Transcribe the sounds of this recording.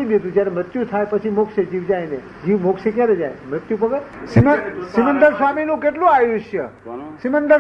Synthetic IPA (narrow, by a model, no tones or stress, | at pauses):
ibjet̪ũd͡ʒjaɾemɾət̪jũt̪ʰajpət͡ʃʰimokʃed͡ʒiʋd͡ʒajne | d͡ʒiʋmokʃekjaɾed͡ʒajmɾət̪jũp̬əɡəɾsiməsimənd̪əɾsʋaminũkeʈlũajuʃjə | simənd̪ə